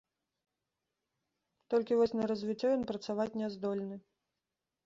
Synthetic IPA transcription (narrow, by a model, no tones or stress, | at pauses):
t̪ɔlʲkʲivɔsʲnɐɾɐzʲvʲit͡sʲːɔjɔnpɾɐt̪savat͡sʲnʲɛzd̪ɔlʲnɨ